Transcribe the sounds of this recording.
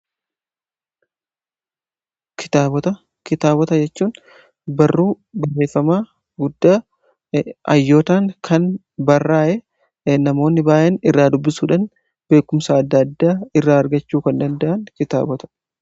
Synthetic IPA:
kɪ̥t̪aːbɔt̪ɐ | kɪt̪aːbɔt̪ɐd͡ʒɛt͡ʃːuːn | bɐrːuː | bɐrːe̞ːfːɐmaː | ɡʊd̪ːaː | ʔɐ̰jːo̞ːt̪aːŋkʰɐn | bɐrːaːʔɛ | nɐmo̞ːnːɪbaːʔenɪrːaːd̪ʊbːɪsuːᶑɐn | b̥e̞ːkːʊmsɐːd̪ːɐd̪ːaːɪrːaːɐɾɡɐt͡ʃːuːkɐnd̪ɐnd̪ɐʔɐnkɪt̪a̰ːbɔt̪ɐ̥

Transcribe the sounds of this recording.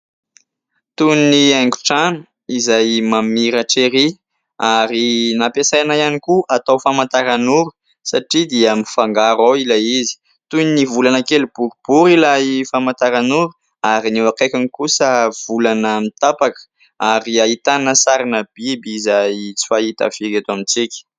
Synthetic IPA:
t̪uniaŋɡu̥ʈ͡ʂanə̥ | izajmamiɾaʈ͡ʂeɾi | aɾinapesajanajanikuʔat̪awfamant̪aɾanuɾu | saʈ͡ʂid̪iəmifaŋɡaɾawilaizi̥ | t̪univulanəkelub̥uɾub̥uɾilaifamant̪aɾanuɾu | aɾinewakajkʲanikusəv̥ulanəmit̪apakə̥ | aɾiait̪anəsaɾanəb̥ibizajt͡si̥faɦit̪a̰v̥eɡet̪amint͡sikʲə̥

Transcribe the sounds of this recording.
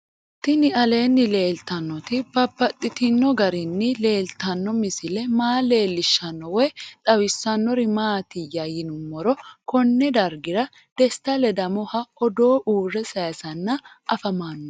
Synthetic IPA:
t̪ːɪnɪɐle̞ːnːɪle̞ːlt̪ɐnːɔt̪ɪbɐbːɐt̪ʼːɪt̪ɪnːɔɡɐɾɪnːɪle̞ːlt̪ɐnːɔmɪsɪlɛmaːle̞ːlːɪʃːɐnːɔwɔjt̪ʼɐwɪsːɐnːɔɾɪmaːt̪ɪjajɪnʊmːɔɾɔkɔnːɛd̪ɐɾɡɪɾɐ | d̪̥ɛst̪ːɐlɛd̪ɐmɔhɐɔd̪o̞ːʔuːrːɛsɐjɐsɐnːɐʔɐfɐmaːnːɔ

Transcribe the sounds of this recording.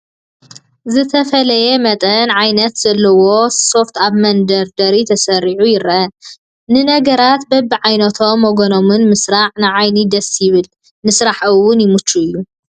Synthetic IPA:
zɨt̪ʰɐfɐlɐjɛmɐt̪ʼɐnʕajnɐt̪z̥ɐlːɐwo̞so̞ft̪ʰaβmɐnd̪ɐɾd̪ɐɾit̪ʰɐsɐɾiʕujɪɾʔɐ | nɨnɐɡɐɾat̪bɐbiʕajnɐt̪ʰo̞mːoɡonomɨnmɨsɾaʕnɨʕajnid̪ɐsjɪβɨl | nɨsɾaħɨwːʊnjɪmut͡ʃːuɨjːu

